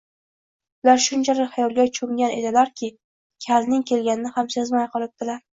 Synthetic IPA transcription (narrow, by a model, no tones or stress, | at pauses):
ʊlaɾʃʊnt͡ʃʰalɪkʲhajɒlˠɡʲat͡ʃʰoŋɡʲane̞d̪ɪlaɾkʲʰɪ | kʲʰalnɪŋkʲʰe̞lɡʲanɪnɪhamsezmajqɨlˠɪp̚d̪̥ɪlaɾ